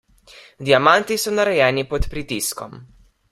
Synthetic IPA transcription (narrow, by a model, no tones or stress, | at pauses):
d̪iamant̪isɔnaɾɛjɛːnipɔt̪pɾit̪iskɔm